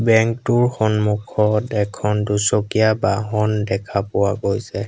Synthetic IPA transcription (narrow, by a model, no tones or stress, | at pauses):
bɛŋktuɹxɔnmukʰɔtɛkʰɔndusɔkijabaɦɔndɛkʰapʊwaɡojsɛ